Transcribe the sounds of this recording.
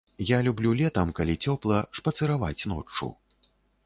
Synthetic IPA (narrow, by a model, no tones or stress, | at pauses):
jalʲublʲulʲɛt̪ɐmkalʲit͡sʲɔplˠɐʂpɐt̪sɨɾava̰t͡sʲn̪ɔ̰t͡ʂːṵ